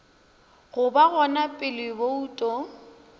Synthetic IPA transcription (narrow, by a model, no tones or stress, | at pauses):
ɣʊbaɣɔnapʼɪlɪbouːtʼɔ